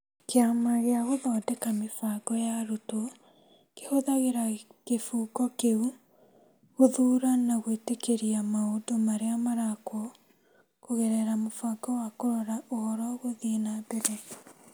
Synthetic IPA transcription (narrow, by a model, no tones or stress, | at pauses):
keamaɣeaɣoðɔːdɛkamefaɡɔjaɾoto | kehoðaɣeɾakefuːɡɔkeu | ɣoðuːɾanaɣwetekeɾiamaodomaɾeamaɾakwɔ | koɣɛɾɛɾamofaːɡɔwakoɾɔɾaʔohɔɾɔɣoðiːnabɛɾɛ